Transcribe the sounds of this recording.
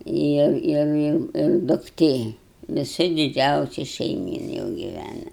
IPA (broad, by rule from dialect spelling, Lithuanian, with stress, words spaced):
ˈɪr ˈɪr ˈɪr ɪr dʊkˈtʲeː ʋʲɪˈsɐ dʲɪˈd͡ʒʲɛʊsʲɪ ʃʲɛɪˈmʲiːn jɛʊ ɡʲɪˈʋʲænɐ